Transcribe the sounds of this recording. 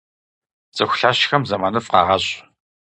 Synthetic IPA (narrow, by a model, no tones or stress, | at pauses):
t͡sʼɨxʷʊɬaːɕxɐmzɐmaːnɨfʼqɑ̰ːʁɐɕʼ